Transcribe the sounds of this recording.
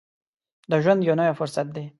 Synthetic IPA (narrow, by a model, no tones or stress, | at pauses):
d̪əʒwand̪janawafʊɾsat̪̚d̪e